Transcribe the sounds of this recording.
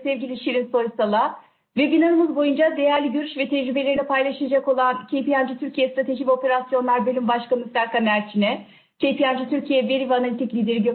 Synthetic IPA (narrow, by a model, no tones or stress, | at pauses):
sɛvɟilʲiʃiɾinso̞ɾusalˠa | vɛbinaɾɯmɯzbo̞jund͡ʒad̪e̞jæɾlʲiɟøɾyʃvɛt̪ʰɛd͡ʒɾybe̞lʲe̞ɾinɛpʰajlˠaʃɯjad͡ʒako̞lˠancʰejpijand͡ʒit̪ʰyɾcʰijɛst̪ɾat̪ʰe̞ʒivo̞pe̞ɾasjo̞nlˠaɾbølʲymbaʃkanɯslʲaɾkamæɾt͡ʃʰinɛ | cʰejpʰijand͡ʒit̪ʰyɾcʰijɛve̞ɾivanalʲit̪ʰiclʲiːd̪e̞ɾiɟø